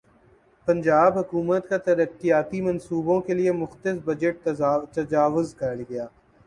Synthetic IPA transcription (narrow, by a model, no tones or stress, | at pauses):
pɐ̃nd͡ʒaːbɦɐkuːmət̪kat̪ɐɾəkːijaːt̪imɐnsuːbõkeliemʊxt̪ɪsbɐd͡ʒəʈ̚t̪ɐd͡ʒaːʋʊzkɐɽɡɐjaː